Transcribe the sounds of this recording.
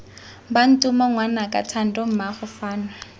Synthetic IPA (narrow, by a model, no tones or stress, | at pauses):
ban̩tʼʊmɔŋwanakʼa̰tʰan̩dʼɔm̩maχʊfaːna